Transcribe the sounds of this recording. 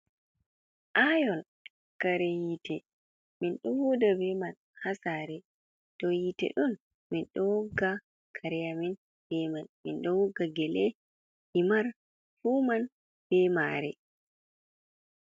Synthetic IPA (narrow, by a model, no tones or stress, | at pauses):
ʔajɔl | kaɾɛjitɛ | minɗɔwudabɛman | hasaɾɛ | tɔjitɛ̰ɗum | minɗɔwɡa | kʰaɾɛjamin | bɛmanmḭnɗɔwɔɡaɡɛlɛ | himaɾ | fuman | b̥ɛmaːɾɛ̰